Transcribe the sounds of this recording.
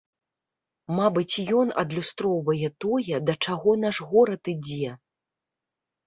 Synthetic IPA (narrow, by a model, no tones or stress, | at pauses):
mabɨt͡sʲjɔnɐ̰d̪lʲust̪ɾɔwvɐjɛt̪ɔjɛd̪ɐt͡ʂaɣɔn̪aʂɣɔɾɐt̪ɨd͡zʲɛ